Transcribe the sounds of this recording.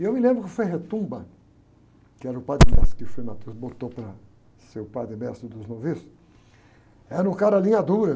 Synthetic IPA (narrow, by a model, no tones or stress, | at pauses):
ɪewmɪlẽbɾʊkɪfojɦet̪ũbɐ̃ | kɪɛɾɐʊpad̪ɾɪɡa̰sɐ̥kɪfojmat̪ewsbot̪opɾɐ | sewpad̪ɾɪmɛst̪ɾʊd̪ʊznovisʊ̥ | ɛɐʊ̃kaɾɐlĩɲad̪uɾɐ